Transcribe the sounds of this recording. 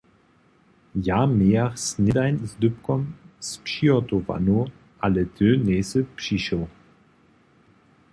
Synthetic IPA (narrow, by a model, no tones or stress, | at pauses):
jameːaχsnɪdaɪnsdʏpkɔmspʃiɔtova̰nu | alətʰøːneːsəpɕiɕo